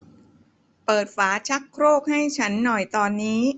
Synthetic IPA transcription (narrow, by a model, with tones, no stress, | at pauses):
pɤː˨˩t̪̚faː˩˦t͡ɕʰa˦˥kʰɾoː˥˩k̚ha˥˩jt͡ɕʰa˦˥nːɔ˨˩jt̪ɔː˧nːiː˦˥